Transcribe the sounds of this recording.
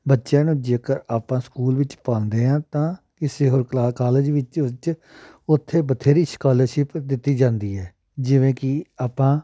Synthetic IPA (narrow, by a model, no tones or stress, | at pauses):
bətːʃãːnũːd͡ʒeːkəɾaːpãːskuːlʋɪt͡ʃpãːnd̪eːɦãːt̪ãː | kɪseːɦoːɾklaːkaːləd͡ʒʋɪt͡ʃt͡ʃ | ʊt̪ʰːeːbət̪ʰeːɾiːskaːləɾʃɪpd̪ɪt̪ːiːd͡ʒãːnd̪iːɛː | d͡ʒɪʋẽːkɪaːpãː